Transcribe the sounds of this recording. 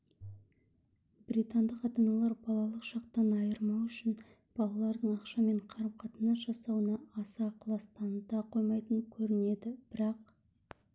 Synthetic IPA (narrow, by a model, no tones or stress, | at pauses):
bɾit̪ɑnd̪əqɑt̪ɑnɑlˠɑɾbɑlˠɑlˠəqʒ̥ɑqt̪ɑnɑjəɾmɑwʏʃɪn | b̥ɑlˠɑlˠɑɾd̪əɴɑqʃɑme̞ɴqʰɑɾəmqʰɑt̪ənɑʒ̥ɑsɑwənɑːsɑqʰlˠɑst̪ɑnd̪ɑqʰo̞jmɑjt̪əŋkʲʰɵɾɪne̞d̪ɪb̥ɪɾɑq̚